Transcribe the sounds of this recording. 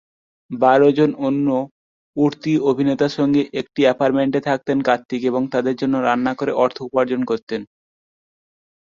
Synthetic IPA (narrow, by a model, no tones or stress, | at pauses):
baɾod͡ʑononːo | uɾt̪iobʱinet̪aʃɔŋɡeʔek̚ʈiɛpaɾmeɳʈet̪ʰak̚t̪enkat̪ːikeβoŋt̪ad̪eɾd͡ʑonːoɾanːakoɾeʔɔɾt̪ʰoupaɾd͡ʑonkoɾt̪en